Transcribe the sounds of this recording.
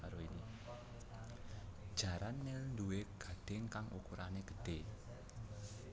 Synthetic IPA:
aɾoini | d̥ʒ̥ä̤ɾanːelnd̪ueɡ̥ä̤d̥ɪ̤ŋkaŋʔṵkuɾaneɡ̥ə̥ɖ̥e̤

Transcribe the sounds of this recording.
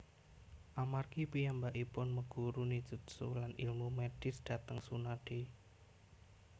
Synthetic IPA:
ʔamarkipijambaʔipʊnməɡ̥uɾunidʒ̥ut̪̚sṵlanḭlmumɛɖ̥ɪsd̥a̤t̪əŋsunaɖ̥e

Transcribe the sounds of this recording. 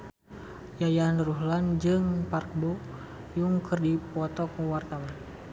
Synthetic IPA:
jajanruɦland͡ʒɨŋpark̚bo | juŋkɨrdipɔt̪ɔkəwart̪awan

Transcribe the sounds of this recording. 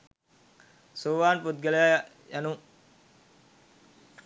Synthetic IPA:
soʋaːnpud̪̚ɡeleja | januŋ

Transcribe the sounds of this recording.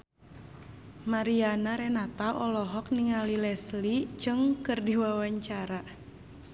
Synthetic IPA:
maɾianaɾɛnat̪aʔɔlɔɦɔk̚niŋalilɛslid͡ʒɨŋkɨrdiwawaɲt͡ʃaɾa

